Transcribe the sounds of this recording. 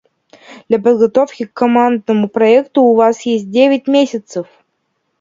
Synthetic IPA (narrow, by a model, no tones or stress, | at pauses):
d̪̥lʲapəd̪ɡɐt̪ofkʲɪkːomand̪nəmuproɛkt̪uːvɑsjesʲt̚ʲdʲevʲɪtʲmʲesʲət̪səf